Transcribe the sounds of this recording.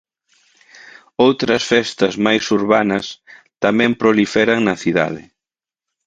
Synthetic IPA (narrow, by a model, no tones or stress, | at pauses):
owt̪ɾɐsfɛst̪ɐzmajsuɾβanɐs | t̪amɛ̃mpɾolifɛɾɐŋnɐθiða̰ðɪ̰